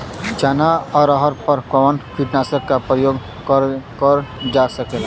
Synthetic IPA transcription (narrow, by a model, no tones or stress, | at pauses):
d͡ʒaːnaɔːɾɔɦəɾpəɾkɔənpʰiʈnaːsəɾkːapɾəjoːɡ | kəɾkəɾd͡ʒasəkela